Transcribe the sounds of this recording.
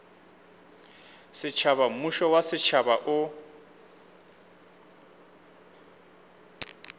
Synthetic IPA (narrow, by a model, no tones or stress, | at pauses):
sɪt͡ʃʰaβam̩muʃɔwasɪt͡ʃʰabaʔʊ